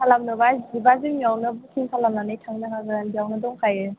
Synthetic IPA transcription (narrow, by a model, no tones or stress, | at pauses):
kʰalamnɯbazibazɯmiawnɯbukʰiŋkʰalamnanɯjtʰaŋnakʰaɡɯɾanbijawnɯdɔŋkʰajɯ